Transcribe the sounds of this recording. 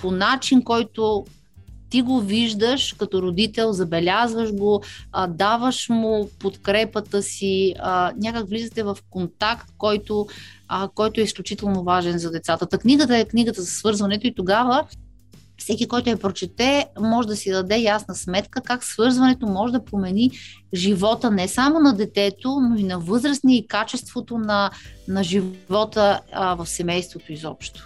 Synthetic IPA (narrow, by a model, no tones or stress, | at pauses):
ponat͡ʃinkɔjt̪o | t̪iɡoviʒd̪əʃkɐt̪ɔɾod̪it̪ɛlˠzɐbɛlʲazvəʒɡod̪avəʃmʊpot̪kɾɛpət̪əsiənʲakəkvlizət̪ɛvɐfkont̪akt̪̚kɔjt̪o | kɔjt̪ʊɛisklʲut͡ʃit̪ɛlˠnovaʒɛnzɐd̪ɛt̪sat̪ət̪ɐkniɡət̪əɛkniɡət̪əzɐsvɤɾzvɐnɛt̪oit̪oɡavə | fsɛkʲikɔjt̪ʊɛpɾot͡ʃɛt̪ɛmɔʒɛd̪ɐsid̪ɐd̪ɛjasnəsmɛt̪kəkaksvɤɾzvɐnɛt̪omɔʒɛd̪ɐpɾomɛniʒivɔt̪ənɛsamonɐd̪ɛt̪ɛt̪onoinɐvɤzɾəsniɛikat͡ʃɛst̪vot̪onɐnɐʒivvɔt̪əvɐfsɛmɛjst̪vot̪oizɔpʃt̪o̥